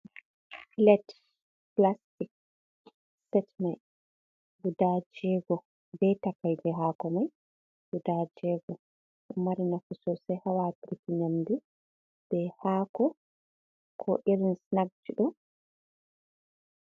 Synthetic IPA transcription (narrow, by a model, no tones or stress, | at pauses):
flɛt | plastik̚ | sɛtmaj | ɡudad͡ʒɛɡɔ | bɛtakajd͡ʒɛɦaːkɔmaj | ɡ̥udad͡ʒɛɡɔ | ɗɔmaɾinakɔsɔsɛhawapiɾikiɲamdi | b̥ɛhaːkɔ | kʰɔʔiɾinsnaɡ̚d͡ʒiɗɔ